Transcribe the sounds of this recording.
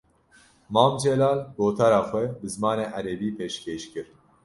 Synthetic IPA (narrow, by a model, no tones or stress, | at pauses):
mɑːmd͡ʒɛlɑːlboːt̪ʰaɾɑːxʷɛbɨzɨmɑːneːʔæɾɛbiːpʰeːʃkʲʰeːʃkɨɾ